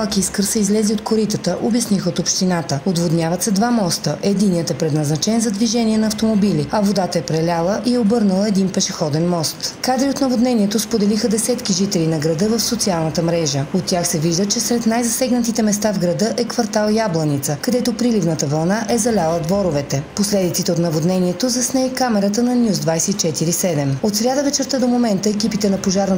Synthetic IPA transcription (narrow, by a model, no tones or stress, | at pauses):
alˠkiskəɾsɛizlɛziot̪koɾit̪ət̪əʔobʲjɐsnixəot̪opʃt̪inat̪əod̪vod̪nʲjavɐt̪sɛd̪vamɔst̪əʔɛd̪inijət̪ɛpɾɛd̪nɐznɐt͡ʃɛnzɐd̪viʒɛniɛnɐːft̪omobiliɐvod̪at̪əɛpɾɛlʲalˠəʔiɛobɤɾnəlˠəɛd̪inpɛʃɛxɔd̪ɛnmɔst̪kad̪ɾiot̪nɐvod̪nɛniɛt̪ospod̪ɛlixəd̪ɛsɛt̪kiʒit̪ɛlinɐɡɾɐd̪ɤvəfsot̪sialˠnət̪əmɾɛʒəot̪ːʲjaxsɛviʒd̪ət͡ʃɛsɾɛt̪najzɐsɛɡnət̪it̪ɛmɛst̪avɡɾɐd̪ɤʔɛkvɐɾt̪alˠjablˠɐnit̪səkɐd̪ɛt̪opɾilivnət̪əvɐlˠnaʔɛzɐlʲalˠəd̪vɔɾovɛt̪ɛposlɛd̪it̪sit̪ɛot̪nɐvod̪nɛniɛt̪ozɐsnɛjkamɛɾət̪ənɐnʲjuzd̪vajsɛit͡ʃɛt̪iɾisɛd̪ɛmot̪sɾʲad̪əvɛt͡ʃɛɾt̪əd̪omomɛnt̪əɛkipit̪ɛnɐpoʒaɾnə